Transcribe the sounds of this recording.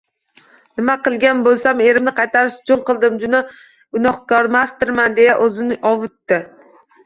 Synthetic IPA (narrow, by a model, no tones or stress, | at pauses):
nɪmaqɨlˠɡʲanbolˠsame̞ɾɪmnɪqʰɑjt̪ʰaɾɪʃt͡ʃʰʊnqɨlˠd̪ɪmd͡ʒʊna | ɡʊnɒχkɒɾmast̪ɪɾmand̪e̞jaʔɵzɪnɪʔɒvʊt̪ːɪ